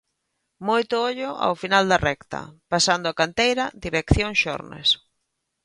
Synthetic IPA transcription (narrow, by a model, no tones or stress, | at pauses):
mojt̪ʊoʎʊʔa̰wfinald̪ɐrɛkt̪ɐ̰pasand̪ʊakant̪ejɾɐd̪iɾekθjoŋʃɔ̰ɾnḛs